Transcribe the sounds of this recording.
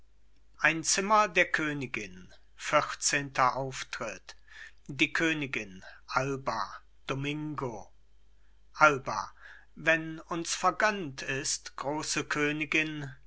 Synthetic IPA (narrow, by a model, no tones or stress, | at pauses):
ʔaɪnt͡sɪmɐdeːɐkʰøːnɪɡɪn | fɪχt͡seːntʰɐʔaʊftʁ̥ɪt | d̥iːkʰøːnɪɡɪnʔalbɐ | d̥omɪŋɡo | ʔalbɐ̰ | vɛnʊnsfɛɐɡœntʰɪstɡ̥ʁoːsəkʰøːnɪɡɪn